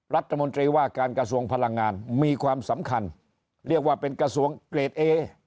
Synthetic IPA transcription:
ɾa˦˥t̪ʰːa˧mo˧nt̪ɾiː˧waː˥˩kaː˧nkɾa˧su˧əŋpʰa˧la˧ŋːaː˧nmiː˧kʰwaː˧msa˩˦mkʰa˧n | ɾi˥˩ək̚waː˥˩pe˧nkɾa˧su˧˩əŋkleː˨˩t̪̚ʔeː˧

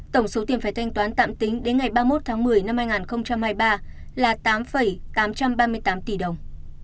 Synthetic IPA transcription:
t̪ə˧˩wŋ͡mso˨˦t̪i˨˩faː˧˩jt̪ʰa˧jŋ̟t̪waː˨˦nt̪a̰ː˧˨mt̪ï˨˦ŋ̟ɗe˨˦nŋa˨˩jɓaː˧mo˦˥t̚t̪ʰaː˨˦ŋmɨ˨˩əjna˧mhaː˧jŋaː˨˩nxə˧wŋ͡mt͡ɕa˧mhaː˧jɓaː˧laː˨˩t̪aː˨˦mfə˨˩jt̪aː˨˦mt͡ɕa˧mɓaː˧mɨ˧əjt̪aː˨˦mt̪i˧˩ɗə˨˩wŋ͡m

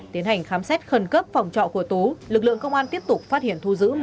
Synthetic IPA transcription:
t̪i˨˦ənha˨˩jŋ̟xaː˨˦msɛ˦˥t̚xə˨˩nkə˦˥p̚fa˨˩wŋ͡mt͡ɕɔ̰˧˨ku˧˩ət̪u˨˦lɨ˨˩k̚lɨ̰˧˨əŋkə˧wŋ͡mʔaː˧nt̪i˦˥əp̚t̪ʊ˨˩k͡p̚faː˦˥t̚hḭ˧˨ənt̪ʰu˧zɨ̰˧˥

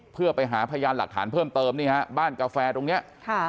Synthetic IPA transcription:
pʰɯ˥˩ɐpa˧jɦaː˩˦pʰa˧jaː˧nla˨˩k̚t̪ʰa̰ː˩˦npʰɤː˥˩mt̪ɤː˧mniː˥˩ha˦˥baː˥˩nkaː˧fɛː˧t̪o˧ŋni˦˥ɐʔkʰa˥˩

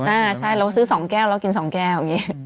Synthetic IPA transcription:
ʔaː˧˩t͡ɕʰa˥˩jlɛː˨˦˥wsɯː˨˦˥sɔː˩˦ŋkɛː˥˩wlɛ˦˥wki˧nsɔː˩˦ŋkɛː˥˩wŋiː˦˥

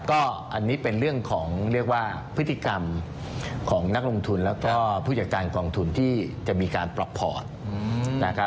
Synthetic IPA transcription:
kɔː˥˩ʔa˧nːiː˦˥pe˧nɾɯ˥˩əŋkʰɔː˩˦ŋɾi˥˩ək̚waː˥˩ | pʰɯ˦˥t̪ʰːi˧˩ka˧m | kʰɔː˩˦ŋna˦˥k̚lo˧ŋt̪ʰu˧nlɛː˦˥wkɔː˥˩pʰuː˥˩t͡ɕa˨˩kaː˧nkɔː˧ŋt̪ʰu˧nt̪ʰiː˥˩t͡ɕa˨˩ʔmiː˧kaː˧npla˨˩pʰːɔ̰ː˨˩t̪̚na˦˥kʰa˦˥

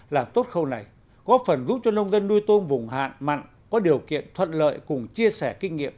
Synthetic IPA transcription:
laː˨˩mt̪o˦˥t̚xə˧wna˨˩j | ɣɔ˨˦˥p̚fə˨˩nzu˨˦˥p̚t͡ɕɔ˧nə˧wŋ͡mzə˧nːu˧jt̪o˧nvʊ˨˩ŋ͡mɦa̰ː˧˨nma̰˧˨jŋ̟ | kɔ˨˦ɗi˨˩əwkḭ˧˨ənt̪ʰwə̰˧˨nlə̰ː˧˨jkʊ˨˩ŋ͡mt͡ɕi˧əsɛ˧˩kï˧ŋ̟ŋḭ˧˨əm

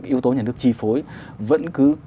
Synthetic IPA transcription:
kʔi˨˦əwt̪o˨˦ɲaː˨˩nɨ˦˥ək̚t͡ɕi˧˩fo˨˦j | və̰˧˥nkɨ˨˦

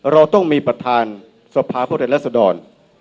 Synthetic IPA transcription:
ɾa˧wt̪ɔ˥˩ŋmiː˧pɾa˧t̪ʰaː˧n | sa˧pʰaː˧pʰuː˥˩˧la˥˩sa˧dɔː˧n

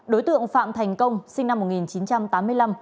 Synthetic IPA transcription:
ɗo˨˦jt̪ɨ̰˧˨əŋfa̰ː˧˨mt̪ʰɛ˨˩jŋ̟kə˧wŋ͡msï˧ŋna˧mːo˨˩t̚ŋi˨˩nt͡ɕi˨˦nt͡ɕa˧mt̪aː˨˦mɨ˧əjla˧m

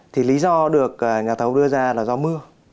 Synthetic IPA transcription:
t̪ʰi˨˩li˨˦zɔ˧ɗɨ˨˩ək̚ʔaː˨˩ɲaː˨˩t̪ʰə˨˦wɗɨ˧əzaː˧laː˨˩zɔ˧mɨ˧ə

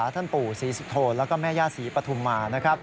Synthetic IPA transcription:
t̪ʰa˥˩npuː˨˩siː˩˦su˨˧t̪ʰoː˧lɛː˦˥wkɔː˥˩mɛː˥˩jaː˥˩siː˩˦pɾa˧t̪ʰu˧mːaː˧na˦˥kʰɾa˦˥p̚

